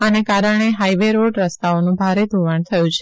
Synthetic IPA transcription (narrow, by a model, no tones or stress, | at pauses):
anekaɾəɳ̃eɦajʋeɾoɖɾəst̪aonũbʱaɾed̪ʱuʋəɳt̪ʰəjũt͡ʃʰe